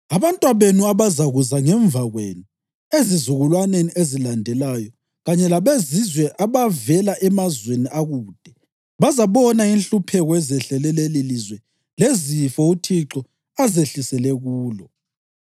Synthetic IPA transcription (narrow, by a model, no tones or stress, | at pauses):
aβantʼwaβenuaβazaɣuzaŋɛɱb̪vaɣwḛːnu | ezizuɣulwaneniʔezilandʱɛlajɔ | ɣaɲɛlaβezizwɛʔaβavɛlaʔɛmazweniʔaɣuːd̥ʱɛ | βazaβɔnainɬupʰɛɣɔɛzɛɬɛlɛlelilizwɛ | lezifɔutʰiǁɔ | azeɬisɛlɛɣuːlɔ